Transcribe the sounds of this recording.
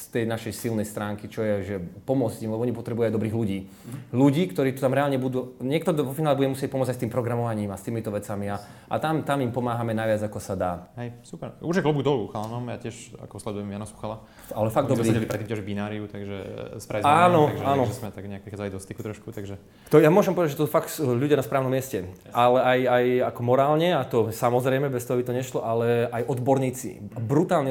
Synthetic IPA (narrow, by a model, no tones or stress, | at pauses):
st̪ɛjnaʃɛjsilnɛjst̪ɾaːŋkit͡ʃɔjɛʒɛpɔmʊɔd͡zɟimlɛbɔɔɲipɔt̪ɾɛbujɛajd̪ɔbɾiːɣluɟiː | luɟiːkt̪ɔɾiːt̪u̥t̪amɾɛaːlɲɛbud̪uːɲɪɛkt̪ɔɡd̪ɔʋɔfinaːlɛbuɟɛmusɪɛc̚pɔmɔd͡zajst̪iːmpɾɔɡɾamɔʋaɲiːmast̪iːmit̪ɔʋɛt͡samiaʔa̰t̪amt̪amimpɔmaːɦamɛnaʋɪad͡zakɔsad̪aːɦɛjsupɛɾuɾʒjɛkɦl̩buɡd̪ɔluxalnɔmja̰ːcɪɛʃa̰kɔslɛd̪ujɛmjanɔsu̥xala | alɛfaɡdd̪ɔbɾiɛlipɾɛt̪ːimcːɛʒɛbinaːɾiut̪aɡʒɛ̰spɾazanɔaɡɛaːnɔɛsmɛt̪aɡɲɛak̚pɾixaːd͡zalid̪ɔst̪ikut̪ɾɔʃkut̪aɡʒɛ | t̪ɔjamʊɔʒɛmpɔʋɛd̪ad͡ʒʒɛt̪sufakt̪sʎuɟɪjanaspɾaːʊnɔmːɪɛscɛ | ʔalɛajajakɔmɔɾaːlɲɛat̪ɔsamɔzɾɛjmɛbɛst̪ɔɦabit̪ɔɲɛʃlɔʔalɛajʔɔd̪bɔɾɲiːt͡sḭbɾut̪aːlɲɛ